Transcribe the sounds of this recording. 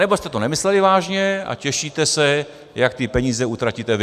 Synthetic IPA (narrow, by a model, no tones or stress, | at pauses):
nɛbost̪ɛt̪onɛmɪslɛlɪvaːʒɲɛa̰cɛʃiːt̪ɛsɛ | jak̚t̪ɪpɛɲiːzɛuːt̪ɾacit̪ɛv